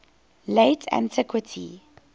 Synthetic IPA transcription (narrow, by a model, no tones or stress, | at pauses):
leɪtʰæ̰̃ntʰɪkwətʰi